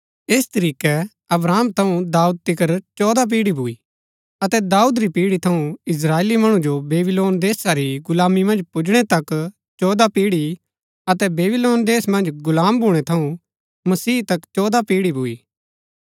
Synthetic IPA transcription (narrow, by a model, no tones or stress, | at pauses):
eːst̪ɐɾiːkɛ | ɐbɾaːmt̪ʰɐũd̪aːuːd̪̚t̪ɪkəɾt͡ʃɔːd̪ap̬iːɽibʱʊiː | ɐt̪ɛd̪aːuːd̪ɾipiːɽit̪ʰɐũɪs̬ɾaːeːlimɐɽ̃ũd͡ʒobeːbɪloːnd̪eːsaɾiɡʊlaːmimɐ̃nd͡ʒpʊd͡ʒɽ̃et̪ɐk | t͡ʃɔːd̪apiːɽi | ɐt̪ɛbeːbɪloːnd̪eːsmɐ̃nd͡ʒɡʊlaːmbʱuːɽ̃et̪ʰɐũ | mɐsiːt̪ɐkt͡ʃɔːd̪apiːɽibʱʊiː